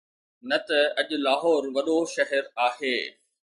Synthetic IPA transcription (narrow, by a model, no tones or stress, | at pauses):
nɐt̪ɐɐʄʊ̆laːɦɔːɾʋɐɗoʃɐɦɛɾaːɦeː